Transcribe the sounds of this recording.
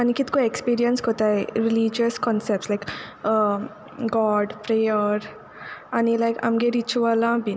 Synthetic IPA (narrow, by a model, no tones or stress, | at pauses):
ɐnikit̪koekspiːɾiənskot̪ajɾilid͡ʒəskɔnsep̚ʈslajk | ɡɔːɖpɾejəɾ | ɐnilajkɐ̰mɡeɾit͡ʃuʋalãbi